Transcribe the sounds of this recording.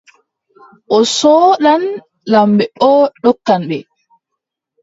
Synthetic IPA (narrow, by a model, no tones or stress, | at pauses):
ʔɔsɔːɗan | lambɛɔːɗɔkːanɓɛ